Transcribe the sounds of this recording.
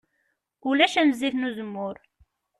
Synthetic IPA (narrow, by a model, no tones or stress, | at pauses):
ulæʃænziθnuzəmːʊɾ